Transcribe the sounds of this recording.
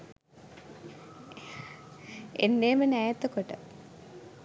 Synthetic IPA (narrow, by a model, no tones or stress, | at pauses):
ḛnːeːmɐnaːjɐt̪ːɐkoʈːɐ̰